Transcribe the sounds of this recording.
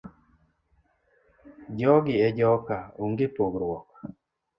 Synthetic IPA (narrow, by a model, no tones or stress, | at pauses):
d͡ʒɔɡɪɛd͡ʒɔkaoŋɡɪpoɡɾwɔk